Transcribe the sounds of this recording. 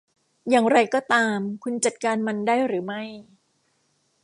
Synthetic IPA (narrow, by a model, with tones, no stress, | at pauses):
jaː˨˩ŋɾa˧jkɔː˥˩t̪aː˧mkʰu˧nt͡ɕa˨˩t̪̚kaː˧nma˧ndaː˥˩jɾɯː˩˦ma˥˩j